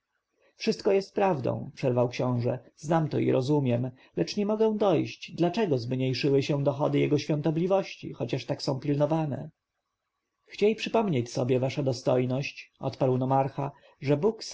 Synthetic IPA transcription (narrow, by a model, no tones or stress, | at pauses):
fʂɘst̪kɔjɛst̪pɾavd̪ɔ̰̃w̃pʂɛɾvawkɕɔ̃w̃ʐɛznamt̪ɔ̰ḭɾʔɔzumʲjɛm | lɛt͡ʂɲɛmɔɡɛ̃w̃d̪ɔjɕt͡ɕd̪lat͡ʂɛɡɔzmɲejʂɘwɘɕɛd̪ɔxɔd̪ɘjɛɡɔɕfʲjɔ̃nt̪ɔblʲivɔɕt͡ɕḭxɔt͡ɕaʂt̪aksɔ̃w̃pʲilnɔvanɛ̰ | xt͡ɕejpʂɘpɔmɲet͡ɕsɔbʲjɛvaʂad̪ɔst̪ɔjnɔɕt͡ɕʔɔ̰t̪paɾwnɔmaɾxa | ʐɛbuks